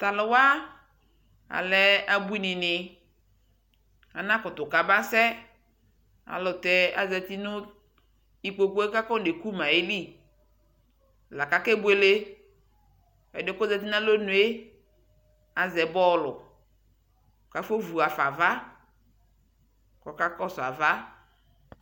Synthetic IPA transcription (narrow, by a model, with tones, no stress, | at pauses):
t̪a˨lʊ˨wa˦ | a̰˨lɛ˨a˨bu˦i˦nɪ̃˨nɪ˨ | a̰˨nã˦kɔ˨t̪ʊ˨ka˨ba˦sɛ˦ | a̰˨lʊ˨tɛ˨a˨zɛ˨t̪i˦nʊ̃˦ | i˨k͡po˨ko˦e˦ka˦kɔ˦ne˨ku˦mã˨e˦li˦˨ | la˨ka˦kɛ˦bwe˨le˦ | ɛ̰˨dɪ˦ko˦zɛ˨t̬i˦nã˦lo˦nũ˨˦e˦ | a˨zɛ˨bɔ˦˨lʊ̰˨ | ka˨fo˦vu˨a˨fa˨va˦ | kɔ˨ka˦kɔ˦sʊ˨a˨va˦